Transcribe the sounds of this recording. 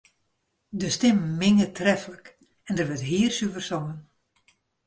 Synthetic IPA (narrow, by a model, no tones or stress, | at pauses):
dəstɪmmɪŋətʰrɛfələk | ɛndərʋətɦiːərsyvərsoːən